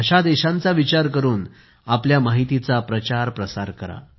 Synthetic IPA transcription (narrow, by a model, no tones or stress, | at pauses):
ɕad̪eɕãnt͡saʋit͡ɕaɾk̬əɾuːn | apljamaɦit̪it͡sapɾət͡ɕaɾpɾəsaɾkəɾa̰